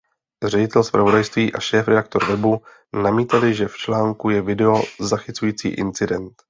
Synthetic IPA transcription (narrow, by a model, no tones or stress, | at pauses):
r̝ɛɟɪt̪ɛlspɾʔavo̞dajst̪viːʔaʃɛːfɾɛdak̚t̪o̞ɾvɛbu | namiːt̪alɪʒɛft͡ʃlaːŋkujɛvɪdɛo̞zaxɪt͡sujiːt͡sḭːʔɪ̰nt͡sɪdɛnt̪